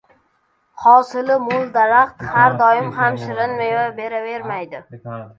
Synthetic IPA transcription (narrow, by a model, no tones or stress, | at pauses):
qʰɒsɪlɪmʊlˠd̪aɾaχt̪haɾd̪ɒjɪmhamʃɪɾɪnmajvabe̞ɾave̞ɾmajd̪ɪ